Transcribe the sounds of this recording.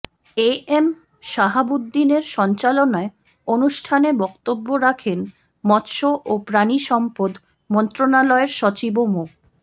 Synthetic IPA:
eem | ʃaɦabud̪ːineɾʃɔnt͡ɕalonae | onuʃʈʰaneɾbɔkt̪obːoɾakʰen | mɔt̪ʃoʔopɾaniʃɔmpod̪ | mɔnt̪ɾonalɔeɾʃɔt͡ɕibomuk̚

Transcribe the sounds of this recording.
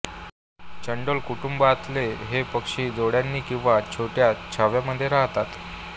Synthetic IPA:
t͡ɕəɳɖəlkuʈumbaːt̪leɦepəkʂiːd͡zoɽjanːiːkĩw̃ʋat͡ɕʰoʈjat͡ɕʰaʋjaməd̪ʱːjeɾaɦt̪at̪

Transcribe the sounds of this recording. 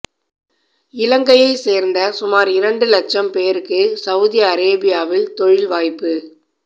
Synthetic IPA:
ɪlɐŋɡɐjɐɪseːɾnd̪ɐsʊmaːɾɪɾɐɳɖɯlɐt͡ʃːɐmpeːɾɯkːɯsɐʋʊðɪjɐːɾeːbɪjaːʋɪlt̪ɔɻɪlʋaːjpːɯ

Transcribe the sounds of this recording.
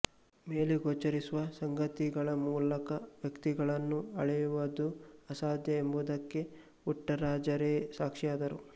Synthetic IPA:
me̞ːleɡoːt͡ʃːɐɾisuʋɐsɐŋɡɐt̪iɡɐɭɐmuːlɐkɐʋjɐkt̪iɡɐɭɐnːuɐɭɛjuʋɐd̪uɐsaːd̪ʱjɐembud̪ɐkːe̞ | uʈːɐɾaːd͡ʒɐɾeːsaːkʂijaːd̪ɐɾu

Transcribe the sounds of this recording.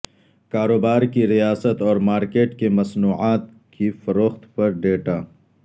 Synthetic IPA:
kaːɾoːbaːɾkiɾijaːsət̪ɔːɾmaːɾkeːʈkemɐsnuːʕaːt̪ | kifɐɾoːxt̪pɐɾɖeːʈaː

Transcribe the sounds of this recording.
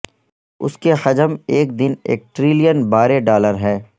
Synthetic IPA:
ʊ̰skexɐd͡ʒəmeːk̚d̪ɪnḛːk̚ʈɾɪːlijənbaːɾeɖaːləɾɦɛː

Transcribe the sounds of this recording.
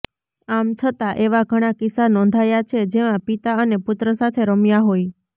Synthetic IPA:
amt͡ʃʰət̪aʔeʋaɡʱəɽ̃akɪsanɔ̃nd̪ʱajat͡ʃʰed͡ʒemãpit̪aənepʊt̪ɾəsat̪ʰeɾəmjaɦoj

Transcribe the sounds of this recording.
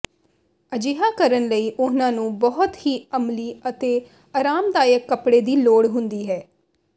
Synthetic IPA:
əd͡ʒɪɦaːkəɾənləiːʔʊnãːnũːbɔɦʊt̪hiːəmliːət̪eː | aːɾaːmd̪aːjəkːəpɽeːd̪iːloːɽɦʊnd̪iːɦɛː

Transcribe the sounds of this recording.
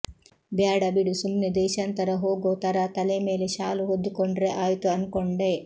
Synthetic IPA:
bjaːɽɐbiɽusumnid̪ɛːʃant̪ɐɾɐɦoːɡoːt̪ɐɾɐt̪ɐleme̞ːleʃaːluɦod̪ːukoɳɖɾeʔaːjt̪uɐnkoɳɖe

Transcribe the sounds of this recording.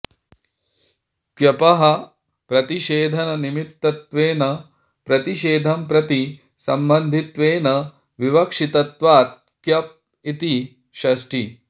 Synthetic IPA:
kjɐpɐɦɐ | pɾɐt̪iʃeːd̪ʱɐnɐnimit̪ːɐt̪ʋeːnɐ | pɾɐt̪iʃeːd̪ʱɐmpɾɐt̪i | sɐmbɐnd̪ʱit̪ʋeːnɐ | ʋiʋɐkʂit̪ɐt̪ʋaːt̪̚ | kjɐp̚ | it̪i | ʃɐsʈi

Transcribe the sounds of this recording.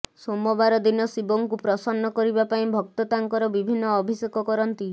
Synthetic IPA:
somɔbaɾɔd̪inɔsiboŋkupɾɔsɔnːɔkɔɾibapaĩbʱɔk̚t̪ɔt̪aŋkɔɾɔbibʱinːɔːbʱisekɔkɔɾɔnt̪i

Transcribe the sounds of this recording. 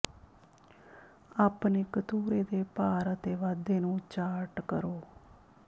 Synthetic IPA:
aːpneːkət̪uːɾeːd̪eːpaːɾət̪eːʋaːd̪eːnũːt͡ʃaːʈkəɾoː

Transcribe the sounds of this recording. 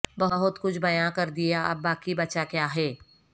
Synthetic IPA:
bɐɦʊɦʊt̪kʊt͡ʃʰbɐjãkɐɾd̪ijaʔɐ̰bːaːkibɐːt͡ʃakjaːɦɛː

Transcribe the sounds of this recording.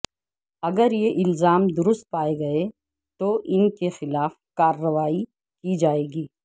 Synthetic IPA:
ɐɡəɾjeʔɪlzaːmd̪ʊɾʊst̪̚paːeɡɐe | t̪oʔɪnkexɪlaːfkaːɾːəʋaːi | kid͡ʒaːeːɡiː

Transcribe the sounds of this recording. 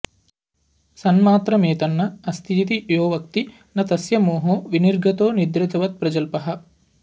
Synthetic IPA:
sɐnmaːt̪ɾɐmeːt̪ɐnːɐɐst̪ʰiːt̪ijoːʋɐk̚t̪i | nɐt̪ɐsjɐmoːɦoːʋiniɾɡʱɐt̪oːnid̪ɾɪt̪ɐʋɐt̪̚pɾɐd͡ʒɐlpɐɦɐ̆

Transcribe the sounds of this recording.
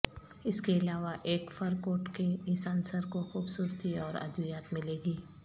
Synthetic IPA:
ɪskeɪlaːʋaʔeːkfɐɾkoːʈkeɪsaːnsəɾkoxuːbsuːɾt̪iɔːɾɐ̰d̪ijaːt̪mɪleːɡiː

